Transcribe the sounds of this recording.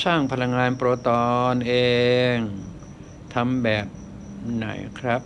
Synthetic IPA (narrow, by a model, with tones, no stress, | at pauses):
saː˥˩ŋpʰa˧la˧ŋːaː˧npɾoː˧t̪ɔː˧nʔeː˧ŋ | t̪ʰa˧mbɛː˨˩p̚ | na̰˩˦jkʰɾa˦˥p̚